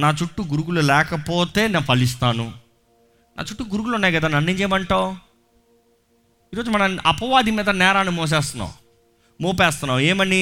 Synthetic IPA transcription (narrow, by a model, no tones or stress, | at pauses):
naːt͡ʃuʈːuɡuɾuɡululɛːkɐpoːt̪e̞ːneːnupɐlis̬t̪aːnṵ | nʔa̰ːt͡ʃuʈːuɡuɾuɡulunːaːjɡɐd̪aːnɐnːeɲt͡ʃeːmɐɳʈaːw | iːɾo̞ːd͡ʒumɐnɐɐ̰pɐʋaːd̪imiːd̪ɐnɛːɾaːnimoːs̬eːst̪unːa̰u | moːpeːst̪unːaːmeːmɐni